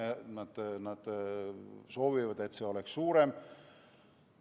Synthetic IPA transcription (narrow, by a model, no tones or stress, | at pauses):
nɑt̪nɑt̪ | soʋiʋɑd̪et̪seolekssuːɾem